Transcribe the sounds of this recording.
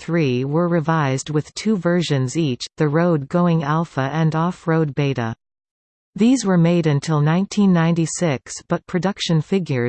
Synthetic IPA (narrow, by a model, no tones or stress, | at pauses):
θɹiwə˞ɹɨvaɪzd̚wɨð̥tʰʉvɜ˞ʒɨ̃nzit͡ʃðɨɹoʊd̚ɡoʊɪ̃ŋælˠfəʔɨ̃nɔfɹoʊd̚beɪɾə̰ | ðizwə˞meɪɾɨ̃ntʰɪlˠnãɪ̃ntʰĩnːãɪ̃ntisɪksb̥ʌt̚pʰɹ̥ɨdʌkʃɨ̃nfɪɡjə˞